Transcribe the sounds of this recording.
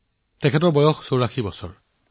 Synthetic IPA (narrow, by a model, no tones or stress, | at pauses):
tɛkʰɛtɔɹbɔjɔxsowɹaxibɔsɔ̰ɹ